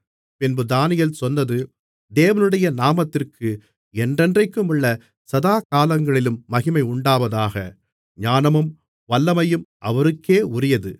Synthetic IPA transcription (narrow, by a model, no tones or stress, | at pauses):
pɪnbɯd̪aːnɪjɐlsɔnːɐðɯ | d̪eːʋɐnɯɽɐjɐnaːmɐt̪ːɪrkʰɯ | ɛndrɛndrɐɪkːɯmʊɭːɐ | sɐðaːkaːlɐŋɡɐɭɪlɯmːɐɣɪmɐɪʊɳɖaːʋɐðaːɣɐ | ɲaːnɐmɯm | ʋɐlːɐmɐjɯmʔɐʋɐɾɯkːeːʊrɪjɐðɯ